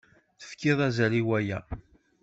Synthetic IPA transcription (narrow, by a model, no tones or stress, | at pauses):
θə̥fkːɪðˤæzæɾiwæjæ̰